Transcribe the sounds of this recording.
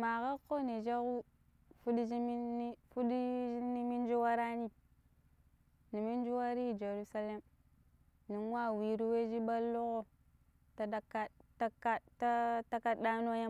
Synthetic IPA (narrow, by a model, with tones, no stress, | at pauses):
ma˨ka˦kːo˦ni˨d͡ʒa˦ku˦ | fu˦dd͡ʒi˦mi˦ni˦fu˦di˦ni˦mi˦n˦d͡ʒu˦wa˦ɾa˦ni˦ | ni˨mi˦n˦d͡ʒu˦wa˦ɾi˦˨d͡ʒe˨ɾu˦sa˦le˦m | ni˨n˦wa˦˨wi˨ɾi˦we˦d͡ʒi˦ɓa˦lːo˦ko˦ | ta˦da˦ka˦ta˦ka˦ta˦ta˦ka˦ɗa˦no˦ja˦